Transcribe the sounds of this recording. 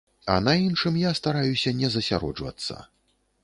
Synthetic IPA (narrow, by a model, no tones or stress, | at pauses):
ɐ̰nainʂɨmjast̪aɾajusʲɐnʲɛzɐsʲaɾɔ̰d͡ʐvɐ̰t̪sːɐ̰